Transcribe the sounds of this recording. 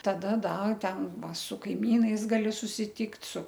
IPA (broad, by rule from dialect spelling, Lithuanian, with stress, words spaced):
tɐˈdɐ ˈdɐ ˈtʲɛn ˈʋɐ sʊ kɐɪˈmʲiːnɐɪs ˈɡɑːlʲɪ sʊsʲɪˈtʲiːktʲ sʊ